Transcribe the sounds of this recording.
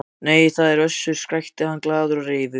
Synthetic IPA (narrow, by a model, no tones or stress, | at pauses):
neːjθaðɛɾœsːʏ̥skɾajht̪ɪhanːklaːðʏɾareːvʏ